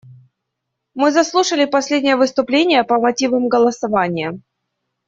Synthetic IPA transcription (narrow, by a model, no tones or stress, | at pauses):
mɨzɐslˠuʂəlʲɪpɐsʲlʲedʲnʲɪjəvɨst̪ʊplʲenʲɪjəpəmɐtʲivəmɡəlˠəsɐvanʲɪjə